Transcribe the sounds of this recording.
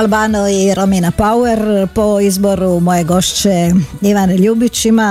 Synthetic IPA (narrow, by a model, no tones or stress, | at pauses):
lbaːnoiɾominapaueɾpoizbo̞ɾumo̞jeɡo̞ʃt͡ɕeiʋaneʎuːbit͡ʃima